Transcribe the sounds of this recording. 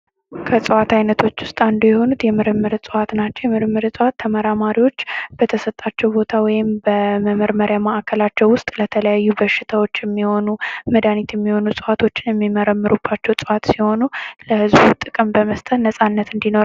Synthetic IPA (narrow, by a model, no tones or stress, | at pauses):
kʰəsʼɨwat̪ʰajnət̪ʰo̞t͡ʃːwʊst̪ʼand̪ujɛho̞nut̪jɛmɨɾɨmːɨɾsʼɨwat̪nat͡ʃːɛwjɛmɨɾɨmːɨɾsʼɨwat̪ʰːəməɾamaɾiwo̞t͡ʃːb̥ət̪ʰəsət̪ʼːat͡ʃːɛwbo̞t̪ʰawɔjɪmbəməməɾməɾjamaʔkʰəlat͡ʃːɛwʊst̪ʼlət̪ʰələjajːubəʃːɪt̪ʰawo̞t͡ʃːjɛmːiho̞numəd̪anit̪jɛmːiho̞nusʼɨwat̪ʰo̞t͡ʃːɪnjɛmːiməɾəmːɨɾubːat͡ʃːɛwsʼɨwat̪siho̞nuləhɨzbut̪ʼɨkʼɨmbəməst̪ʼət̪nəsʼanːət̪ɨnd̪ino